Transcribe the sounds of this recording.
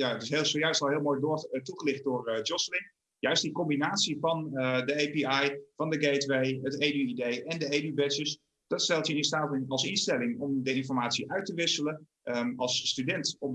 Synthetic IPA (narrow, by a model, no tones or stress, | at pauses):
jaətɪsɦelˠsowjœɥstɑlˠɦɪːlˠmojdʊtuχəlɪχt̚dʊːrd͡ʒɔslɪn | jœɥst̚dikɔmbinaːtsivɑnədəejpiɑjvɑndəɡetʋejɦətejyidejʔɛndəejdybɛsəs | d̥ɑtstɛlˠtjəɪnstaːtnɑlˠsɪnstɛlɪŋɔmdəɪnfɔɹmaːtsiʔœɥtəʋɪsələn | ɑlˠsːtydɛntɔp̚